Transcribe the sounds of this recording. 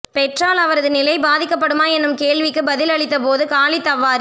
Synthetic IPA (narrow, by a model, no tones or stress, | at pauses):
pɛʈraːlɐʋɐɾɐðɯnɪlɐɪbaːðɪkːɐp̬ːɐɽɯmaːɛnːɯmkeːɭʋɪkːɯbɐðɪlɐɭɪt̪̬ːɐpoːðɯkaːlit̪ːɐʋːaːɾ